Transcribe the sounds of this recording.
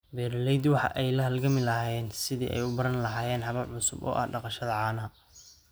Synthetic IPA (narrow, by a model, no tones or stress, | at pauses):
bɛːɾlɛjd̪wɑħɑ̰ʔɛjlɐɦɐlɡɐmɪlɐhaːjɛːnsɪðḭːʔɛ̰jʊbɐɾɐnlɐɦaːjɛːnħɑβɐlʕʊsʊbɔ̰ːʔɐ̰hɖɑqɑʃɐðɐʕɑːnɐɐ